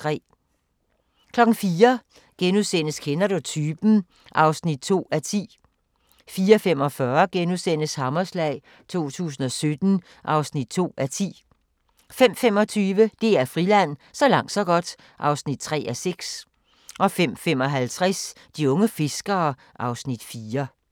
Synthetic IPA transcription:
ʁɛ̰ː | kʰlɒ̽ɡ̥n̩fiːɐ | ɡ̥enusen̰əskʰenɐdut͡sʰyːb̥n̩ | ʔɑ̈ʊsnid̥̚t͡sʰo̝̰ːæɐt͡sʰḭː | fiːɐfem̰ɒ̽fɶɐɡ̥enusen̰əshɑ̈mɐslɛ̰ɪ̰ | t͡sʰo̝̰ːt͡sʰṵːs̬n̩ɒ̽sød̥n̩ | ʔɑ̈ʊsnid̥̚t͡sʰo̝̰ːæɐt͡sʰḭː | fem̰fem̰ɒ̽t͡sʰyːʋəd̥e̝æɐfʁilæn̰sɒ̽lɑ̈ŋ̰d̥sɒ̽ɡ̥ɒ̽d̥ | ʔɑ̈ʊsnid̥̚t͡sʰʁɛ̰ːæseɡ̥s | ʔɒ̽fem̰fem̰ɒ̽ɦælt͡sʰʁas | d̥iɔ̽ŋəfe̝sɡ̥ɐː | ʔɑ̈ʊsnid̥fiːɐ

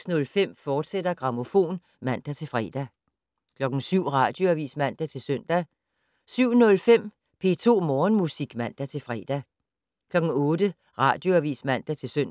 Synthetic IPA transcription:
snɔ̽lfem̰fɒːd̥sed̥ɐɡ̥ʁɑ̈mo̝fo̝̰ːn | mæn̰d̥æt͡sʰe̝lfʁɛ̰ːd̥æ | kʰlɒ̽ɡ̥n̩syʊ̰ʁɑ̈ːd̥jo̝æʋḭːsmæn̰d̥æt͡sʰe̝lsøn̰d̥æ | syʊ̰nɔ̽lfem̰ | pʰe̝̰t͡sʰo̝̰ːmɒːnmusiɡ̥mæn̰d̥æt͡sʰe̝fʁɛːd̥æ | kʰlɒ̽ɡ̥ŋ̩ɔ̽ːd̥ə | ʁɑ̈ːd̥jo̝æʋḭːsmæn̰d̥æt͡sʰe̝søn̰

